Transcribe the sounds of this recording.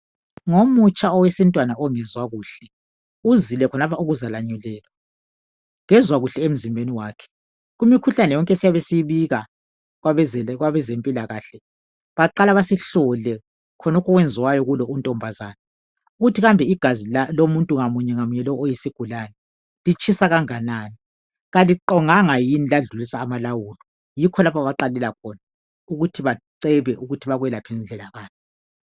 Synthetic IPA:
ŋomut͡ʃʼaɔwesintʼwanaɔŋɛzwaɣuːɬɛ | uzilɛkʰɔnapʰauɣuzalaɲɛlɛːlwa | ŋɛzwaɣuɬɛem̩zimbʱeniwaːkʰɛ̥ | ɣumikʰuɬanɛjɔŋkʼɛsijaβesiβiɣa | ɣaɛɣwaβɛzempʼilaɣaːɬɛ | βaǃalaβasiɬɔlɛ | kʰɔnɔkʰɔɣwɛnd͡zʱiwajɔɣulɔuntʼɔmbʱazaːna | uɣutʰiɣambʱɛiɡ̥ʱazilalomuntʼuŋamuɲɛŋamuɲɛlɔojisiɡ̥ʱulanɛ | lit͡ʃʼisaɣaŋanaːni | ɣaliǃɔŋaŋajinilaɮulisaːmalawuːlɔ | jikʰɔlapʰaβaǃalɛlakʰɔna | uɣutʰiβaǀɛβɛʔuɣutʰiβaɣuwɛlapʰɛnɮʱɛlaɣaːnʰi

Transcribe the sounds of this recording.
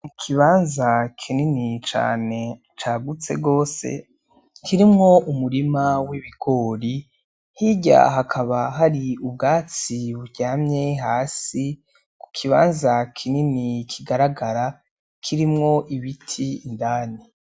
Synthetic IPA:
mukʰiβaːnzakʰininit͡ʃa̰ːne̞ | t͡ʃaɡut͡se̞̰ɡɡo̞ːsḛ | kʰiɾimŋo̞umuɾimawiβiɡ̥o̞ːɾi | hiɟa̰ɦakʰaβaɦaɾiub̚ɡaːt͡siβuɾɟaːmɲeɦaːsi | ku̥kʰiβaːnzakʰininikʰiɡaɾaɡaɾa | kʰiɾimŋo̞ʔiβitʰiːndaːni

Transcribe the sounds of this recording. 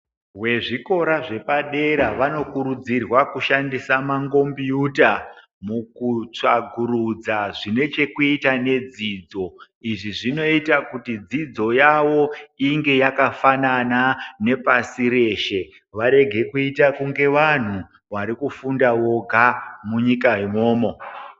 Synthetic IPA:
we̞ʐiko̞ɾaʐe̞paɗe̞ɾaʋano̞kuɾud͡zirwakuʃandisamaŋɡo̞mbiuta | mukut͡ʂa̰ɡʱuɾud͡zaʐine̞t͡ʃe̞kuitane̞d͡zid͡zo̞ | iʐiʐino̞itakutid͡zid͡zo̞jawo̞iŋɡe̞jakafananane̞pasiɾe̞ʃe̞ | ʋaɾe̞ɡʱe̞kuitakuŋɡe̞ʋan̤u | ʋaɾikufundawo̞ɡʱamuɲikaimo̞ːmo̞

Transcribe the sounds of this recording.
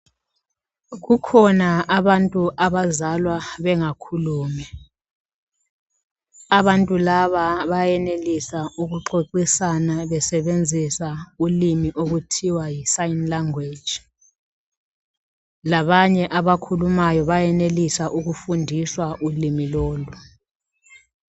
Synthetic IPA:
ɣukʰɔnaaβantʼuʔaβazalwaβɛŋakʰuluːmɛ | aβantʼulaβaβajɛnelisauɣuǃoǃisanaβɛsɛβend͡zʱisaulimiʔoɣutʰiwajisajinlaŋwe̥d͡ʒʱi | laβaɲɛʔaβakʰulumajɔβajɛnelisaʔuɣufundʱiswaʔulimiloːlu

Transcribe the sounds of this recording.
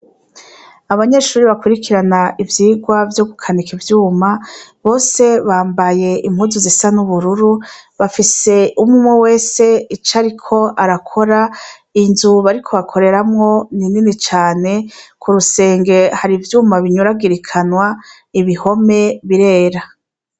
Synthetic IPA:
aβaɲe̞ʃuːɾiβakuɾikʰiɾanaʔivjiːɡwavjo̞ɡukʰanikʰivjuːmaβo̞ːse̞βaːmbaje̞ʔimhuzuzisanuβuɾuɾuβafise̞umumwowe̞ːse̞it͡ʃaɾikʰo̞ʔaɾakʰo̞ɾa | inzuβaɾikʰo̞βakʰo̞ɾe̞ɾamŋo̞nininit͡ʃaːne̞kʰuɾuse̞ːŋɡe̞haɾivjuːmaβiɲuɾaɡiɾikʰanwa | iβiho̞me̞βiɾe̞ːɾa

